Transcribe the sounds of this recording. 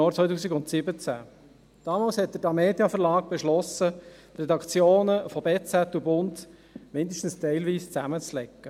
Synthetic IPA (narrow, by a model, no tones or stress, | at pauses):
ɔːɾt͡sʋɔjtuːsiɡʊnt̪sɪbət͡sæ̰ | d̥ɑːmɑːlshɛt̪̚d̥əɾdɑmeːdjɑfəɾlɑːkb̥ɛʃlɔsə | t̪rɛdɑkʰt͡sjoːnəfɔbeːt͡sæt̪ubʊnd | mɪnd̪ɪʃtn̩st̪ɛɪlʋiːst͡sæmət͡slɛkːə